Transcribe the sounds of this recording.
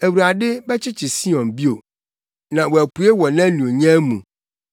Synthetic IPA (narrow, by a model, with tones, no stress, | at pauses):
æ˨wu˨ɾa˨dɪ˦bɛ˦t͡ɕʰɪ˦t͡ɕʰɪ˨si˦ɔ̃˨nbi˦o˨ | nã˨wɔ˨æ˨ku˨e˦wɔ˨nã˦nũ˨o˨ɲɛ̃˦mũ˨